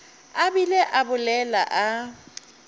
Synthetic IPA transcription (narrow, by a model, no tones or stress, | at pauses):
abilɛʔabʊlɛla̰ʔa